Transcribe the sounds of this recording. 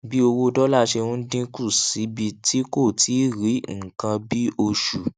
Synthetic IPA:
bi˦o˧wo˧dɔ˦la˦ʃe˧wũ˦n̩˦dĩ˦ku˦˨si˨˦bi˧tʰi˦ko˦˨ti˨˦ɾi˨˦ŋ̩˨kã˧bi˦ʔo˧ʃu˨

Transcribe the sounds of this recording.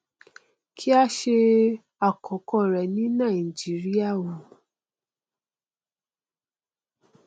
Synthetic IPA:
kʰi˦a˦ʃe˧ | a˨kʰɔ˨˦kɔ˦˨ɾɛ˨nĩ˨˦nã˦˨i˨d͡ʒi˨˦ɾi˦a˦˨wo˨

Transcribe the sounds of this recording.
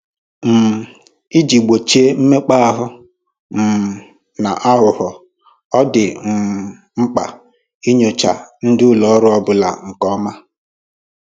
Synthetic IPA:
m̩˨ | i˦d͡ʒi˨ɡ͡bo˨t͡ʃe˦m̩˦me˦k͡pa˦a˦ɦʊ˦ | m̩˨ | na˨ʔa˦ɦʊ˨ɦɔ˨ | ɔ˦dɪ˨m̩˨ | ŋ͡m̩˦k͡pa̰˨ | i˦ɲo˨t͡ʃa̰˨n̩˦dɪ˦ʊ˦lɔ˨˦ɾʊ˦ɔ˦bʊ˨la̰˨ŋ̩˨kɔ˦ma˦

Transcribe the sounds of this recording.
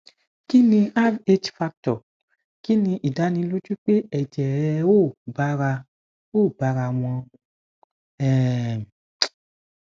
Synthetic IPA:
ki˦nĩ˧a˦ve˦t͡ʃfa˧k̚tɔ˨ | ki˦nĩ˧ʔi˨da˨˦nĩ˧˦lo˦d͡ʒu˦k͡pe˦ɛ˨d͡ʒɛ˨˧o˦˨ba˧˦ɾa˧ | o˦˨ba˧ɾa˧w̃ɔ̃˧ | ɛ˦˨

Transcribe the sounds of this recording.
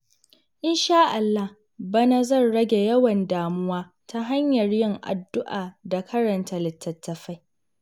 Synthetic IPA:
ʔɪ˦nʃaː˦ʔa˨lːa˦h | bɐ˦na˦zɐ˦˨nɽɐ˦ɡʲe˨jɐ˦wɐ˨ndaː˨mʊ˦waː˦ | tʰa˦ɦa˦ɲjɐ˨rjɪ˦ŋʔa̰˨dːʊ˦ʔaː˨da˨kʰɐ˦ɽɐ˨nta˨lɪ˨tːɐ˨tːɐ˨ɸa˦j

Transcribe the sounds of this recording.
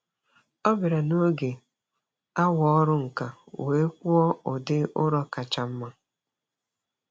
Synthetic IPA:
ɔ˦bɪ˨ɾa˨no˦ɡe˨ | a˦wɔ˦ɔ˦ɾʊ˦ŋ̩˨ka˨we˨˦kʷu˦ɔ˦ʊ˨dɪ˦ʔʊ̰˦ɾɔ˦ka˨t͡ʃa˨m̩˦ma˨

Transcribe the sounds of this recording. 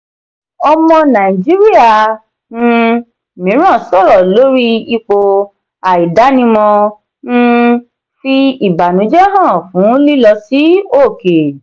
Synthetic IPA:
ɔ˧mɔ̃˧nã˨i˨d͡ʒi˦ɾi˦a˦˨ | nũ˧ | mĩ˨˦ɾ̃ã˦˨sɔ˦˨ɾɔ˨lo˦ɾi˦i˦˧k͡po˧ | a˨i˨da˨˦nĩ˧mɔ̃˧ | ñ̩˦ | fi˧i˨ba˨nũ˨˦d͡ʒɛ˦ɦã˦˨fũ˨˦li˦lɔ˧si˦o˦˨ke˨

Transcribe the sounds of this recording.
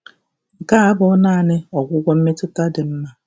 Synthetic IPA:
ŋ̩˨ka˦a˦bʊ˦naː˦˨nɪ˦ɔ˨ɡʷʊ˦ɡʷɔ˦m̩˦me˦tʊ˦ta˦dɪ˨m̩˦ma˦

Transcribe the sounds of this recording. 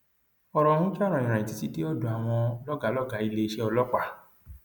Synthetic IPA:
ɔ˧ɾɔ̃˨˧hũ˦d͡ʒa˦ɾ̃ã˨ĩ˨ɾ̃ã˨ĩ˨ti˨˧ti˦ti˦ɔ˦dũ˨a˨w̃ɔ̃˧lɔ˦ɡa˨˦lɔ˦ɡa˨˦i˧le˧ʃe˦ɔ˧lɔ˦k͡pa˦˨

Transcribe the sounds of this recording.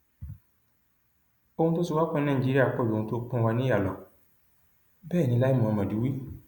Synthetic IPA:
o˧hũ˧to˦si˧wa˦k͡pɔ̃˦nã˦˨d͡ʒi˨˦ɾi˦a˦˨k͡pɔ˦˨dũ˧to˧˦k͡pũ˧˦˧wa˧nĩ˦a˦˨lɔ˨ | bɛː˦˨nĩ˧la˦i˦mũ˨ɔ̃˧mã˨di˨˦wi˦

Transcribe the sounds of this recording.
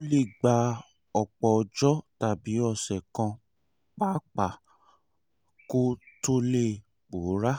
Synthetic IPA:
o˦li˦˨ɡ͡ba˧ | ɔ˨k͡pɔ˨˧d͡ʒɔ˦ta˨bi˨˦ɔ˦˧˨sɛ˨kã˧ | k͡pa˦k͡pa˨ | ko˦to˦le˦˨ | k͡po˨˦ɾa˦

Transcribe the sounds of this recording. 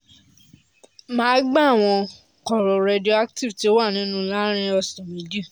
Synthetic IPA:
mãː˦ɡ͡ba˦˨w̃ɔ̃˧ | kɔ˨ɾɔ˨ɾe˧di˦o˦˧a˦kti˦vti˨o˦wa˦˨nĩ˨˦nũ˦la˦ɾ̃ĩ˦ɔ˧˨sɔ˨mĩ˨di˦˨

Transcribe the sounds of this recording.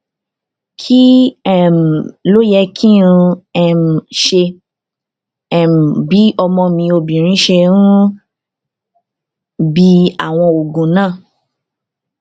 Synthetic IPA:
kʰi˦ɛ˦˨m̩˨lo˦jɛ˧kʰĩ˦ũ˧ɛ˨m̩˨ʃe˧ | ɛ˦˨m̩˨bi˨˦ɔ˧mɔ̃˧mĩ˧o˧bĩ˨ɾ̃ĩ˨˦ʃe˧ɾũ˦ | bi˧a̰˨w̃ɔ̃˧o˨ɡũ˨nãː˦˨

